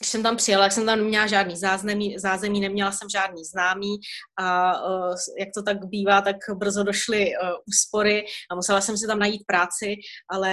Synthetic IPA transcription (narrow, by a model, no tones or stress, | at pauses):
ɡdɪʃsɛmt̪ampr̥ɪjalat̪jaksɛmt̪amnɛmɲɛlaʒaːdniːzaːznamiːzaːzɛmiːnɛmɲɛlasɛmʒaːdniːznaːmiːʔa | jak̚t̪o̞t̪̬akbiːvaːt̪akbr̩zodo̞ʃlɪʔuːspo̞ɾɪʔamusɛlasɛms̬ɪt̪amnajiːt̪̚pɾaːt͡sɪʔalɛ